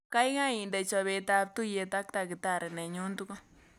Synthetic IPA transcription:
ka˦jɡa˦ji˨nd̪e˧t͡ʃa˧βe˧t̪a˧b̚t̪u˦je˧t̪a˦kt̪a˧ɡe˧t̪a˧ɾe˨ne˨ɲu˦nt̪u˦ka˦

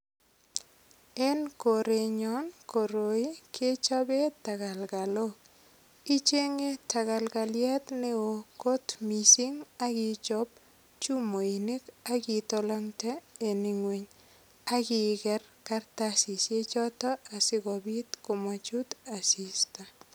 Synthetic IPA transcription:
e˦nko˨ɾe˨ɲɔ˦nko˨ɾo˨i˦kʰe˦t͡ʃɔ˦be˦ta˨ka˨lɡa˨lo˦k̚ | i˦t͡ʃe˦ŋe˦ta˨ka˨lɡa˨lja˦t̪ne˦o˨ko˦tmi˨si˦ŋa˦kɪ˦t͡ʃɔ˦p | t͡ʃu˦mo˨i˨ne˦ka˦ki˦tɔlɔ˦ŋtɛ˦e˨ni˨ŋwe˨ɲ | a˦kɪ˦kɛ˦rka˦rtasi˨sje˦t͡ʃɔ˦tɔ˦a˨sɪ˦ɡɔ˨bi˦t̪ko˨ma˨t͡ʃu˦ta˨si˨sta˨

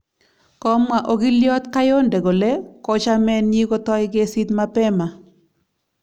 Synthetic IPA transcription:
kɔ˦mwa˨ʔo˨ɡɪ˦ljɔ˦t̪ka˦jo˦nde˨ɡo˨le˦kɔ˦t͡ʃa˦mɛ˦nji˦ɡo˦t̪ɔ˦ɪɡe˦si˦t̪ma˦pɛ˦ma˨

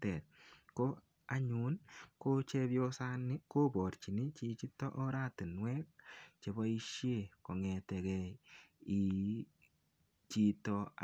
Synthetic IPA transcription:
tɛ˨t̚ko˦ | a˨ɲu˨˦nko˦t͡ʃɛ˦bjo˦sa˦nɪ˦ko˦bɔ˨ɾt͡ʃi˨ni˦t͡ʃi˦t͡ʃi˦tɔ˦ʔɔ˦ɾa˦tɪ˨nwɛ˦k̚t͡ʃe˨bɔ˦i˦ʃje˦˨kɔ˨ŋɛ˨tɛ˨kɛ˨i˨ | t͡ʃi˦tɔ˧

